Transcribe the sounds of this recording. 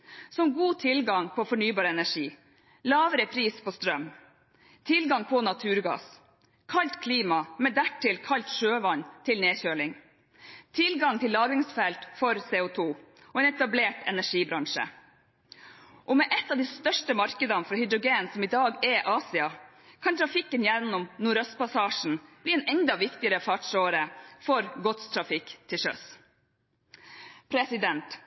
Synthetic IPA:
sɔmɡuːt̪ʰɪlɡɑŋpʰɔfɔɳyːbɑːɾəɛnæʂiː | lɑːʋəɾəpʰɾiːspʰɔst̪ɾœm | t̪ʰɪlɡɑŋpʰɔnɑt̪ʰʉːɾɡɑ̰ːs | kʰɑlt̪kʰliːmɑmɛd̪æʈʰːɪlkʰɑlt̪ʂøːʋɑnt̪ʰɪlneːçøːɭɪŋ | t̪ʰɪlɡɑŋt̪ʰɪlːɑːɡɪŋsfɛlt̪fɔɾseːʊt̪ʰuː | ɔɛːnɛt̪ɑbleːʈɛnæʂiːbɾɑŋʂə̰ | ʔɔmɛʔɛt̪ːɑʋd̪iːst̪œʂʈəmɑɾkəd̪ɑnfɾɑhʏd̪ɾʊɡeːnsɔmɪd̪ɑːɡɛʔɑːsɪɑ | kʰɑnt̪ʰɾɑfɪkːənjɛnːʊmnuːɾœst̪pɑsɑːʂn̩b̥liːɛːnɛnd̪ɑʋɪkt̪ɪəɾəfɑʈʂoːɾəfɔɾɡɔt̪st̪ʰɾɑfɪkːt̪ʰɪʃœ̰s | pʰɾɛsɪd̪ɛnt̪

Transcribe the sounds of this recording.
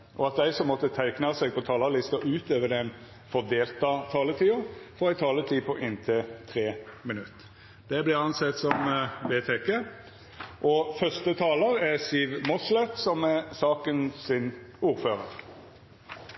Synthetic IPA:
ʔɔɑt̪̚d̪æɪsɔmːɔt̪ːət̪ʰæɪknɑsɛɡ̚pɔt̪ʰɑːlɑlɪst̪ɑʔʉːt̪øːʋəɖ̪ɛn | fɔʁd̪eːlt̪ɑt̪ʰɑːlət̪ʰiːʊfɔʁæɪt̪ʰɑːlət̪ʰiːpʰɔʔɪnt̪ʰɛt̪ʰʁeːmɪnʉt̪ː | d̪ɛblɪʁɑnsɛt̪ːsɔmʋeːt̪ʰeke | ʔɔfœst̪ət̪ʰɑːləɾæʁsiːʋmɔslɛt̪sɔmɛsɑːkənsɪnuːɾføːʁəɾ

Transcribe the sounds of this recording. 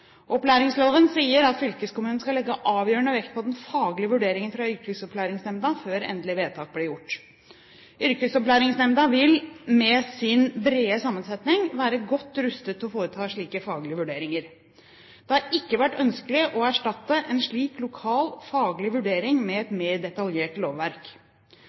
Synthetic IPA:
ʔɔplæːɾɪŋsloːʋənsiːəɾɑt̪fʏlkəskʊmʉːn̩skɑlɛɡːəʔɑːʋjøːɾəɳəʋɛkt̪pʰɔd̪ɛnfɑːɡlɪəʋʉɖeːɾɪŋənfɾɑʏɾkəsɔpʰlæːɾɪŋsnɛmd̪ɑføːɾɛ̰nd̪lɪʋeːt̪ʰɑːk̚blɪjʊʈː | ʏɾkəsɔplæːɾɪŋsnɛmd̪ɑʋɪlmɛsɪnbɾeːəsɑmːənsɛt̪nɪŋʋæːɾəɡɔt̪ːɾʉst̪ət̪ʰːɔfoːɾət̪ʰɑːʂɭiːkəfɑːɡlɪəʋʉɖeːɾɪŋəɾ | d̪̥ɛhɑɾɪkːəʋæʈːœnskəlɪʔɔæʂʈɑt̪ːəʔɛnʂɭiːklʊkʰɑːlfɑːɡlɪʋʉɖeːɾɪŋmɛɛt̪meːɖɛt̪ɑljeːʈloːʋːæɾk

